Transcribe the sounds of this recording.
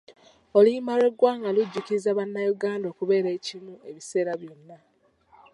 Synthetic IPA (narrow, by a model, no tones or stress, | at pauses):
olimale̞ɡwaːŋɡaluɟːukiɾizaβanːajuɡaːndo̞kuβe̞ːɾe̞ːcimueβise̞ːɾaβjo̞nːa